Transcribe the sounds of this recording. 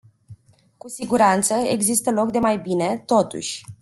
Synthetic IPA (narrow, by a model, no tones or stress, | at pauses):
kusiɡuɾant̪səe̞̰ɡzist̪əlo̞kd̪e̞majbine̞t̪o̞t̪ṵʃʲ